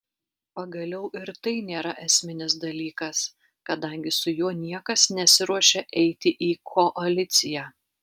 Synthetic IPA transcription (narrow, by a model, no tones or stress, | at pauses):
pɐɡɐlʲɛʊʔɪɾt̪ɐɪnʲeːɾɐʔɛsʲmʲɪnʲɪsd̪ɐlʲiːkɐs | kɐd̪ɐˑŋʲɡʲɪsʊjuɔnʲiɛkɐsnʲɛsʲɪɾuɔʃʲɛʔɛɪt̪ʲɪʔiːkʰɔʔɐlʲɪt̪sʲɪjæː